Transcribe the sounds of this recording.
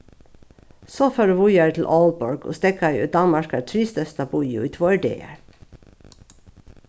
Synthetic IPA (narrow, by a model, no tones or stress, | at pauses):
soːføːɾəːʋʊjæɹt̪ʰl̩ʔɔːlbɔɹɡo̰ːst̪ɛkɑʉ̰ːd̪ɑnmɑʃkɑt̪ʰɾiːst̪œst̪ɑbʊʏʊ̰iːt̪ʰʋoːɛɖḛːə̰ɹ